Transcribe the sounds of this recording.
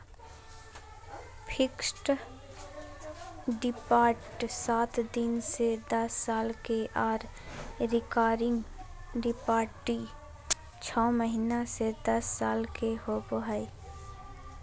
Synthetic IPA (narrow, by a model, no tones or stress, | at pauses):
pʰɪksʈ | ɖɪpaːʈsaːt̪ʰd̪ɪnsed̪əsːaːlkeʔaːɾ | ɾɪkaːɾɪ̃ŋɡɾɪpaːʈːi | t͡ʃʰɔːməɦinased̪ɐsːaːlkehoboɦai